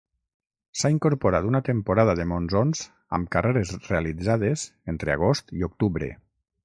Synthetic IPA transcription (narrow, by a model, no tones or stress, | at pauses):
saiŋkoɾpoɾat̪unat̪empoɾaðaðemonzonz | a̰mkareɾezrealid͡zað̞ezent̪ɾea̰ɣ̞ost̪iok̚t̪uβɾḛ